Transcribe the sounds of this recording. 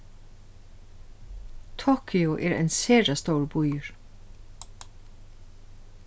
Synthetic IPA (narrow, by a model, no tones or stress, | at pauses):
t̪ʰoːkʰʏʊʔeːɾæ̰ɪnseːɹɑst̪oːɹbʊjəɹ